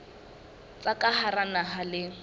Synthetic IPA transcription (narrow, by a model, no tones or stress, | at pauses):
t͡sʼakʼaharanaɦalɪ